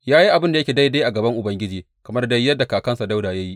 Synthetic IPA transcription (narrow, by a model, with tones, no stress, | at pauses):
jaː˦ji˦ʔa˨bɪ˦nda˨jɐ˦kʲeː˨da˦jde˦ʔa˨ɡɐ˨bɐ˦ŋʔʊ˨bɐ˦ŋɡʲɪ˦d͡ʒiː˨ | kɐ˨mɐ˦rda˦jːɐ˦dːa˨kaː˨kɐ˦nsa˨da˦wdaː˨ja˦ji˦ʔ